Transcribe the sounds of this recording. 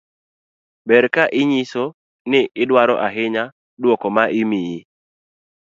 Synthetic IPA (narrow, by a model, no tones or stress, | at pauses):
bɛɾkaʔɪɲiso | nɪɪdwaɾɔ̰ʔaɦɪɲa | dwɔkɔmaʔɪmiji